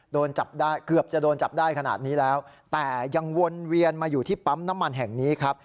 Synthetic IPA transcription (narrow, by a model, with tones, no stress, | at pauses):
doː˧nt͡ɕa˨˩p̚daː˥˩jkɯ˨˩əp̚t͡ɕa˨˩doː˧nt͡ɕa˨˩p̚daː˥˩jkʰa˧na̰ː˨˩t̪̚niː˦˥lɛː˦˥w | t̪ɛː˨˩ja˧ŋwo˧nɾi˧ənmaː˧juː˨˩iː˥˩pa˦˥mna˦˥mːa˧nɦɛ˨˩ŋniː˦˥kʰɾa˦˥p̚